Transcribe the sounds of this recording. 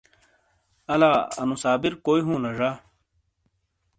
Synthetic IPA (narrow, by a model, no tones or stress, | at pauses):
ɐlaːɐ̰nusaːbiɾkoːiɦũːlɐʐaː